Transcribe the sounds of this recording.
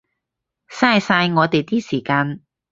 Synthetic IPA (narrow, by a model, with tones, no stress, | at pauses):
saː˧jsaː˧jŋɔː˨˧t̪e˨jt̪iː˥siː˨˩kaː˧n